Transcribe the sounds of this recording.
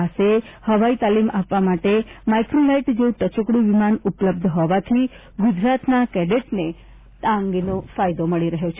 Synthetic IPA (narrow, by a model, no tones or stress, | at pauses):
ase | həʋait̪alimapʋamaʈemaikɾolajʈd͡ʒeũʈət͡ʃokɽiʋimanʊpləb̚d̪ʱɦɔʋat̪ʰi | ɡʊd͡ʒɾat̪nakɛɖeʈne | t̪ãŋɡnofajd̪oməɭiɾəɦjot͡ʃʰe